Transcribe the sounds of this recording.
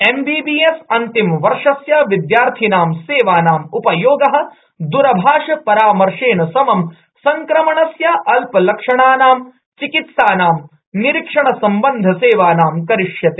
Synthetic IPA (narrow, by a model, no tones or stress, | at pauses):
embiːbiːesɐnt̪imʋɐɾʂɐsjɐʋid̪jaːɾt̪ʰinaːmseːʋaːnaːmupɐjoːɡɐɦɐ̆ | d̪uɾɐbʱaːʂɐpɐɾaːmɐɾʂeːɳɐsɐmɐm | sɐŋkɾɐmɐɳɐsjɐʔɐlpɐlɐkʂɐɳaːnaːm | t͡ʃikit̪saːnaːm | niɾikʂɐɳɐsɐmbɐnd̪ʱɐseːʋaːnaːmkɐɾiʂjɐt̪e̥ː